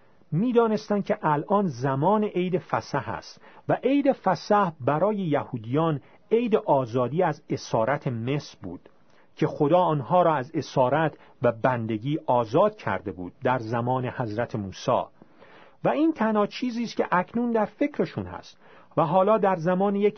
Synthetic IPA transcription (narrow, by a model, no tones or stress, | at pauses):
miːd̪ɒːne̞st̪ænd̪̚cʰe̞ʔælʔɒːnzæmɒːne̞ʔe̞jd̪e̞fæsæhæ̰st̪væʔe̞jd̪e̞fæsæhbæɾɒːje̞jæhuːd̪ijɒːn | e̞jd̪e̞ʔɒːzɒːd̪iːæze̞sɒːɾæt̪ʰe̞mesɾbṵːd̪̥ | cʰe̞xo̞d̪ɒːɒːnɦɒːɾɒːæze̞sɒːɾæt̪ʰ | væbænd̪e̞ɡiːʔɒːzɒːd̪̥̚cʰæ̰ɾd̪e̞bṵːd̪̥̚d̪æɾzæmɒːne̞hæzɾæt̪ʰemuːsɒ̰ː | væiːnt̪ʰænhɒːt͡ʃʰiːziːst̪cʲʰe̞ʔæcʰnuːnd̪æɾfe̞cʰɾe̞ʃunhæ̰st̪ | væɦɒːlɒːd̪æɾzæmɒːnejek